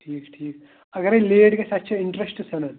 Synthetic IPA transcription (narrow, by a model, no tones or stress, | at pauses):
ʈʰiːkʈʰiːk | ɐɡəɾeleːɖkesɐt̪ːʃʰaɪ̃ɳʈɾesʈsɐnɐn